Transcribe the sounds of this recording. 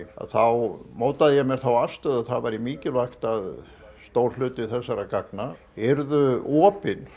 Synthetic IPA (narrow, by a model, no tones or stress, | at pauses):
a̰θawmowt̪aðɪjɛmɛɾ̥θawafst̪œːðaθaðvajɾɪmiːcɪlvajxt̪að | st̪oːwɾ̥lʏːt̪ɪθɛsːaɾakak̚na | ɛɾðʏɔːpɪn